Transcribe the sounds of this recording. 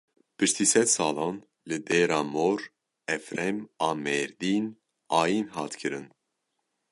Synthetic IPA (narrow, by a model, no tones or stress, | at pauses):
pʰɨʃt̪ʰiːsɛt̪sɑːlɑːn | lɨd̪eːɾɑːmoːɾ | ɛfɾɛmɑːmɛːɾd̪iːn | ɑːjinɦɑːt̪kʰɨɾɨn